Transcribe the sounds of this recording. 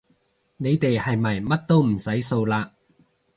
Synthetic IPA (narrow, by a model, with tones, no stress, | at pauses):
ne˨˧jt̪e˨jhɐ˨jmɐ˨˩jmɐ˥t̚t̪o˥wm̩˨˩sɐ˨˥jso˧wlaː˧